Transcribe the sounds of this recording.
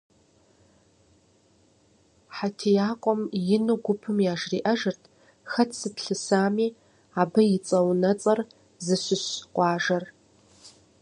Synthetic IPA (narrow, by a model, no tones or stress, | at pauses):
ħatʰijaːqʷʼɔmjɪnɨɡʷʊpʰɨmjaːʒriːʔɐʒɐrtʰ | xɐtʰsɨtʰɬɨsaːmiː | abɐjɪt͡sʼɐwnɐt͡sʼɐr | zɨɕʷɪɕqʷʼɑːʒɐr